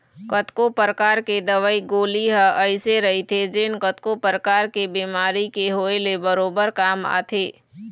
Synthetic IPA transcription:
kət̪kopəɾəkaːɾked̪əʋəiɡoːliɦəʔəɪseɾɐɦit̪ʰed͡ʒeːnkət̪kopəɾəkaːɾkebiːmaːɾikeɦoːelebəɾoːbəɾkaːma̰ːt̪ʰeː

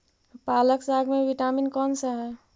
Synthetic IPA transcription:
paːləksaɡmeʋiʈaminkɔnsəɦɛ

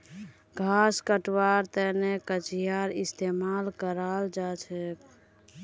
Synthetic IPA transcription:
ɡʱaskəʈwaɾt̪ənekət͡ʃijaɾist̪emalkəɾald͡ʒat͡ʃʰɛk

